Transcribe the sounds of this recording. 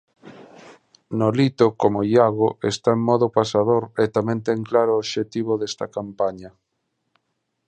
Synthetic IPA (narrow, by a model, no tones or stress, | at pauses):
nolit̪okomoiaɣoest̪aeŋmɔðopasað̞oɾet̪amɛ̃nt̪eŋklaɾoːβʃet̪iβ̞oðest̪ɐkampaɲɐ